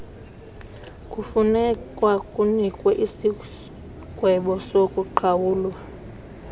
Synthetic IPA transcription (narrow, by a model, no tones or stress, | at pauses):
kʼufunɛkʼwakʼunikʼwɛʔisi | kʼwɛɓɔsokʼuǃʰawuːlwa